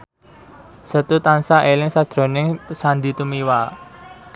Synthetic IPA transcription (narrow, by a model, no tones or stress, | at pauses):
sət̪ut̪ansaʔelɪŋsḁd̥ɾo̤nɪŋpəsand̪it̪umiwa